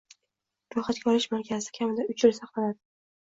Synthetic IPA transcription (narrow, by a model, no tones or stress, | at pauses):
ɾʊχat̪̚ɡʲɒlɪʃmaɾkʲʰazɪ̥kʲʰamɪd̪aʊt͡ʃɪlsɑχlalad̪ɪ